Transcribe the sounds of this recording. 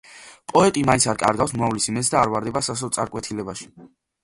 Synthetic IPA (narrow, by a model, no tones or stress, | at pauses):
pʼɔɛt̪ʼimainsʰaɾkʼa̰ɾɡafsmuavlisimɛsd̪aːɾvaɾd̪ɛbasas̬ɔt̪sʼa̰ɾkʼwɛt̪ʰilɛbaʃi̥